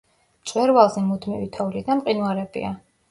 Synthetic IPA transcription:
mt̪sʼwɛɾvalˠzimud̪mivḭt̪ʰɔvlid̪amqʼinwaɾɛbḭa

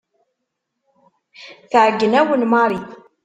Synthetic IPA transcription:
θəʕɡːənæwənmɑɾˤi

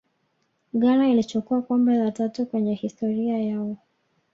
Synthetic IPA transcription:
ɠaɾailit͡ʃɔkuakɔmbɛzatatukwɛɲɛhistɔɾiajaɔ

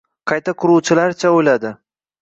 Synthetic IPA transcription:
qʰɑjt̪ʰakʰʊɾuwt͡ʃʰɪlaɾt͡ʃʰaojlad̪ɪ

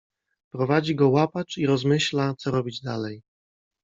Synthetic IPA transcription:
pɾɔvad͡ʑiɡɔwapat͡ʂiɾɔzmɘɕlat̪sɔɾɔbʲid͡ʑd̪a̰lɛj

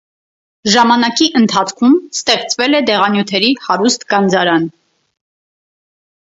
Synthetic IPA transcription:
ʒɑmɑnɑkiʔənt̪ʰɑt͡sʰkʰumst̪ɛχt͡svɛlɛd̪ɛʁɑnjut̪ʰɛɾihɑɾust̪ɡɑnd͡zɑɾɑn

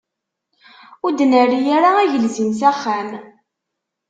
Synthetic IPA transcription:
ʊd̪nərːijaɾaæʝəlzinsæχːæm

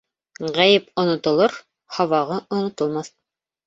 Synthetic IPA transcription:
ʁæjɘpŏnŏt̪ŏlˠɤɾ | hɑwɑʁɤʔŏnŏt̪ŏlˠmɑθ

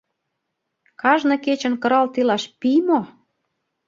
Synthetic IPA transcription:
kɑʒnɤ̆ket͡ɕə̆nkɤ̆ɾɑlt̪ilɑʃpimo

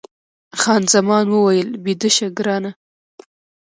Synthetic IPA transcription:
xɑnzamɑnwəwajəlbid̪əʃaɡɾɑna

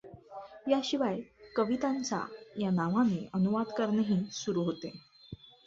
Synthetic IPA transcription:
jaɕiʋajkəʋit̪ãnt͡sa̰janaʋaneənuʋad̪kəɾnəɦiːsuɾuːɦot̪e

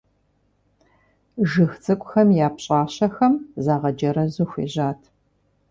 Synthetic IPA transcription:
ʒɨxt͡sʼɨkʷʼʊxɐmjaːpɕʼaːɕɐxɐmzaːʁɐd͡ʒɐɾɐzʊxʷḛːʑaːtʰ

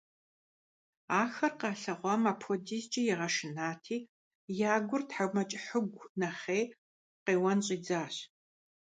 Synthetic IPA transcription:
aːxɐrqɑːɬɐʁʷɑmapʰodiːst͡ʃʼijɛʁɐʃɪnaːtʰiː | jaːɡʷʊrtħaɡʷmɐt͡ʃʼɪħəɡʷnɐχeː | qeːwɐnɕʼiːd͡zaːɕ

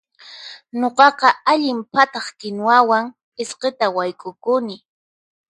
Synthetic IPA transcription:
ɲoqɑqɑaʎɪmpat̪ɑχkɪnwawaŋ | ɪsqet̪awajkʼʊkʊnɪ

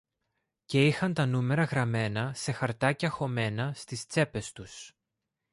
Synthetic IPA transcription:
ce̞ixɐnt̪ɐnume̞ɾɐɣɾɐme̞nɐse̞xɐɾt̪ɐceɐxo̞me̞nɐst̪ist͡se̞pe̞st̪us

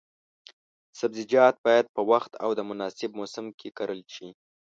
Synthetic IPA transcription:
sabzɪd͡ʒɑt̪̚bɑjad̪̚pəwaxt̪a̰wd̪əmʊnɑsɪb̚mosɪmkʰekaɾəlʃi

